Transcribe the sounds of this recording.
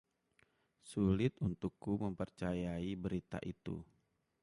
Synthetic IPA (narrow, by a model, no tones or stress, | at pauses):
sulɪt̪unt̪ukːuməmpərt͡ʃajaibəɾit̪a̰ʔit̪ṵ